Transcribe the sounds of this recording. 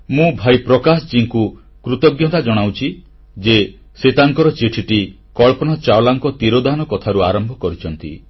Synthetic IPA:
mũbʱajpɾɔkasɔd͡ʒiŋku | kɾut̪ɔɡjɔt̪ad͡ʒɔɽ̃awt͡ʃʰi | d͡ʒe | set̪aŋkɔɾɔt͡ʃiʈʰiʈi | kɔɭpɔñɔt͡ʃawlaŋkɔt̪iɾod̪anɔkɔt̪ʰaɾuaɾɔmbʱɔkɔɾit͡ʃʰɔnt̪ḭ

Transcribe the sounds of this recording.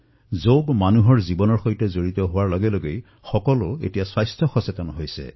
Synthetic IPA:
zoɡmanuɦɔɹzibɔnɔɹxojtɛzoɹit̪ɔɦʊwaɹlɔɡɛloɡej | xɔkɔlʊḛtijaswajstʰɔxɔsetɔnɦojsɛ̰

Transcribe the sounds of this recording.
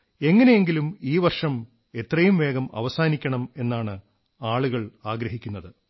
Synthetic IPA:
e̞ŋːɐne̞jeŋɡilumiːʋɐrʂɐm | e̞t̪rɐjumʋe̞ːɣɐmɐ̰ʋɐsaːnikʲːɐɳɐme̞nːaːɳɨ | aːɭuɣɐɭaːɡɾɐɦikʲːunːɐðɨ

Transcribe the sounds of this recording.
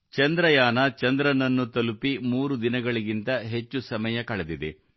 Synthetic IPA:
t͡ʃɐnd̪ɾɐjaːnɐt͡ʃɐnd̪ɾɐnɐnːut̪ɐlupimuːɾud̪inɐɡɐɭiɡint̪ɐɦet͡ʃːusɐmɐjɐkɐɭɐd̪id̪ḛ

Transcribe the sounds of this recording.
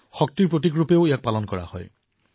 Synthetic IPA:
xɔk̚t̪iɹpɹot̬ikɹupeʊijak̚palɔnkɔɹa̰hɔ̰j

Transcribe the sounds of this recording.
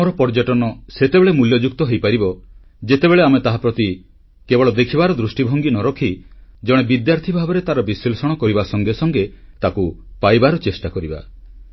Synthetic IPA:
ɔɾɔpɔɾd͡ʒɔʈɔnɔset̪ebeɭemuljɔd͡ʒuk̚t̪ɔɦejpaɾibɔ | d͡ʒet̪ebeɭeamet̪aɦapɾɔt̪i | kebɔɭɔd̪ekʰibaɾɔd̪ɾusʈibʱɔŋɡinɔɾɔkʰid͡ʒɔɽ̃ebid̪jaɾt̪ʰibʱabɔɾet̪aɾɔbisilsɔɽ̃ɔkɔɾibasɔŋɡesɔŋɡet̪akupajbaɾɔt͡ʃesʈakɔɾiba̰

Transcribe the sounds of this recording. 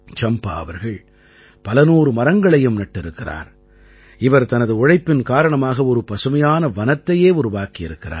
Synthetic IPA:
t͡ʃɐmpa̰ːɐʋɐɾɣɐɭ | pɐlɐnuːɾɯmɐɾɐŋɡɐɭɐjɯmnɐʈːɪɾɯkːɪra̰ːɾ | ɪʋɐɾt̪ɐnɐðɯʊɻɐɪpːɪnkaːɾɐɳɐmaːɣɐɔɾɯpɐsɯmɐjaːnɐʋɐnɐt̪ːɐjeːʊɾʊʋaːkiɪɾɯkːɪɾa̰ː

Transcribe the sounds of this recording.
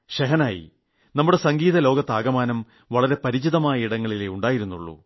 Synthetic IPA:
ɕɐɦɐnaːjḭ | nɐmːuɽe̞sɐŋɡiːðɐlo̞ːɡɐt̪ːaːɡɐmaːnɐm | ʋɐɭɐɾe̞pɐɾit͡ɕiðɐmaːjɐiɽɐŋːɐɭileuɳɖaːjiɾunːṵɭːṵ

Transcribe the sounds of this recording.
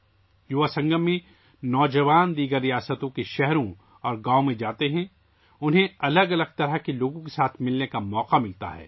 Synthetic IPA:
jʊʋasɐ̃ŋɡəmːẽ | nɔːd͡ʒɐʋaːnd̪iːɡəɾːijaːsət̪õkeʃɛɦɾõ | ɔːɾɡaːomẽd͡ʒaːt̪eɦɛ̃ | ʊnɦẽɐləɡɐləɡ̚t̪ɐɾəɦkeloːɡõkesaːt̪ʰmɪlnekamɔːqamɪlt̪a̰ɦɛ̰ː

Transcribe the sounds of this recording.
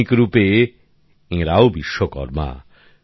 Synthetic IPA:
ikɾupe | ẽɾaobiʃːokɔ̰ɾma̰

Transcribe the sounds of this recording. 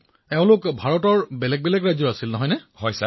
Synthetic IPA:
ɛʊ̃lʊkbʱaɹɔtɔɹbɛlɛɡ̚bɛlɛɡɹajzɔɹasilnɔɦɔjnɛhɔjsa

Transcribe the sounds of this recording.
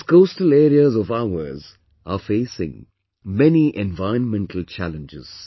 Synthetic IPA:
skoːstəleːɾiəzɔvaʊəz | afeːsɪ̰̃ŋ | mɛniʔɛ̃nvaɪə̃nmɛ̃ɳʈʰəl̩t͡ʃæ̰lə̃nd͡ʒɪ̰z̥

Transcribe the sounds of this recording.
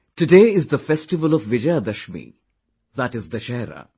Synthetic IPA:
ʈuɖeːɪzd̪əfɛsʈɪʋəlɔʋʋɪd͡ʒəjad̪əʃmḭ | ðæʈɪzd̪əʃɛːɾə̰

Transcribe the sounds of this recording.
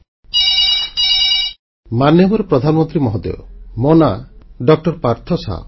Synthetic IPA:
manjɔbɔɾɔpɾɔd̪ʱanɔmɔnt̪ɾimɔɦɔd̪ḛmɔnaɖɔk̚ʈɔɾpaɾt̪ʰɔsa̰

